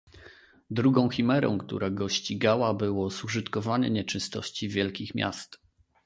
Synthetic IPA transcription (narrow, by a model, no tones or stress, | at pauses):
d̪ɾuɡɔ̃w̃xʲimɛɾɔ̰̃w̃kt̪ṵɾʔaɡɔɕt͡ɕiɡawabɘwɔsuʐɘt̪kɔvaɲɛ̰ɲɛt͡ʂɘst̪ɔ̰ɕt͡ɕivʲjɛlkʲixmʲja̰st̪